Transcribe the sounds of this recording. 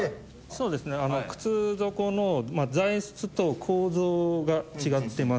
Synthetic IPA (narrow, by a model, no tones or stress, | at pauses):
so̞ːd̪e̞sɨne̞anokɯ̟̥t͡sɨzo̞ko̞no̞mad͡zaisɨ̥t͡sɨt̪o̞kʰoːzoːɡat͡ɕiɡat̪ːe̞mas